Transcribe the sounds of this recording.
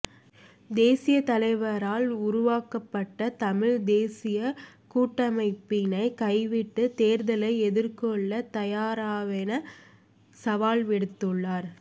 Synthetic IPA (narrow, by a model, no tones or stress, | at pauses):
d̪eːsɪjɐt̪ɐlɐɪʋɐɾaːlʊɾʊʋaːkɐpːɐʈːɐt̪ɐmɪɻd̪eːsɪjɐkuːʈːɐmɐɪpːɪnɐɪkɐɪʋɪʈːɯt̪eːɾðɐlɐɪɛðɪɾkɔɭːɐt̪ɐjaːɾaːʋɛnɐ | sɐʋaːlʋɪɽɯt̪ːɯɭːaːɾ